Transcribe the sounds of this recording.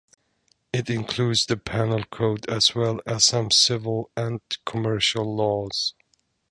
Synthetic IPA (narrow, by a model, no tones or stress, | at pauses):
ɪɾɪ̃nkʰl̥udzðɨpʰænl̩ˠkʰoʊdɨz̥wɛlˠɨz̥sʌ̃msɪvəl̩ˠɨ̃nkʰəmɜ˞ʃəlˠːɔz̥